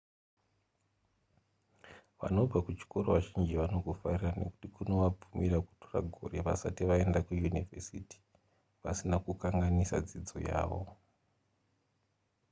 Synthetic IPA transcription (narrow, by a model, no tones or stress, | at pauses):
ʋa̰no̞b͡vakut͡ʃi̥ko̞ɾo̞ʋaʒind͡ʒiʋano̞ɡʱofarirane̞ku̥tikuno̞ʋab͡vumiɾaku̥tora̰ɡʱo̞̰re̞ʋa̰satiʋae̞ndakujunivesiti̥ | ʋasinakukaŋɡanisa̰d͡zid͡zo̞̰ja̰ːʋo̞̰